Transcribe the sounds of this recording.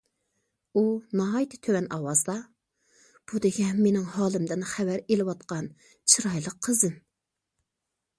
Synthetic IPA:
unɑɦɑjt̪ʰɪ̥t̪ʰøwɛnɑwɑzd̪ɑ | b̥ud̪ɪɡʲɛmenɪŋhɑːlˠɨmd̪ɪnχɛwæɾelɪwɑt̪qɑn | t͡ʃʰiɾɑjlˠəqʰːəzɨn

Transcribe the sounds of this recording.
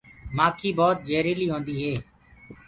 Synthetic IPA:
maːkʰiːbɔːt̪̚d͡ʒeːɾiːliːɦõːnd̪iːɦeː

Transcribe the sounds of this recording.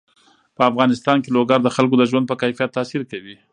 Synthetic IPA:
pəafɣɑnɪst̪ɑnkeloɡaɾd̪əxalk̬od̪əʒwand̪̚pəkajfijat̪ːɑsiɾkawi

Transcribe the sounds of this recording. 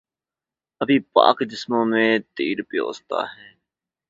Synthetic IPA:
əbʱĩːpa̰ːkd͡ʒɪsmõːmẽːt̪iːɾpɪjo̰ːst̪a̰ːɦɛ̃ː

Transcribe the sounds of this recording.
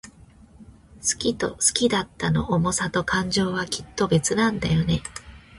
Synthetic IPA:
sɨ̥kʲit̪o̞̰sɨ̥kʲid̪at̪ːano̞̰ʔːmo̞sat̪o̞kʰãɲd͡ʑo̞ːβakʲʰi̥t̪ːo̞be̞t͡sɨnãnd̪ajo̞ne̞

